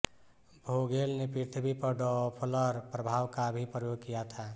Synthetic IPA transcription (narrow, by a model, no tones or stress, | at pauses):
bʱoɡelnepiɾt̪ʰbʱipəɾɖɔpʰələɾpɾəbʱaːwkabʱipɾəjoɡ̚kijat̪ʰa